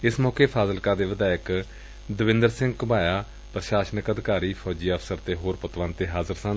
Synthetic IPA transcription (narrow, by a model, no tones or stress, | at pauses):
ɪsmɔːkeːpʰaːzəlkãːd̪eːʋɪd̪aːək | d̪əʋɪ̃nd̪əɾsɪ̃ŋɡkbaːjaː | pɾəʃaːʃənəkəd̪kaːɾiːpʰɔːd͡ʒiːəfʰsəɾt̪eːɦoːɾpʊt̪ʋãːnt̪eːɦaːzəɾsãː